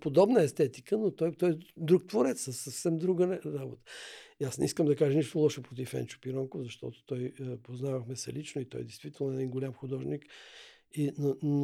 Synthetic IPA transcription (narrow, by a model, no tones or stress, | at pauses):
pod̪ɔbnəɛst̪ɛt̪ikənot̪ɔjt̪ɔjd̪ɾuk̚t̪voɾɛt̪ssəsːɐfsɛmd̪ɾuɡəɾabot̪ə̥iasnɛiskəmd̪ɐkaʒəniʃt̪ʊlˠɔʃɛpɾot̪ifɛ̰nt͡ʃʊ̥piɾɔŋkovzɐʃt̪ɔ̰t̪ʊ̥t̪ɔjpoznavəxmɛsɛ̰lit͡ʃnoit̪ɔ̰jd̪ɛjst̪vit̪ɛlˠnʊɛd̪inɡolʲamxʊd̪ɔʒnik | inon